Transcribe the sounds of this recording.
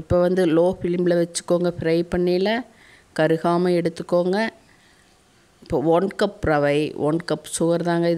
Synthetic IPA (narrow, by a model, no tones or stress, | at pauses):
ɪpːoʋɐnd̪ɯloːfɪlmɪlɐʋɛt͡ʃːɯ̥kːoːŋɡɐfɪɾɐɪpɐɳːilɐ | kɐɾɯɣaːmɐɛɽɯt̪ːɯkːoːŋɡɐ | ɪpːoʋoɳkɐpɾɐʋɐɪʋʔɔ̰ːɳkɐpːsʊɣɐɾðaːŋɡɐɪð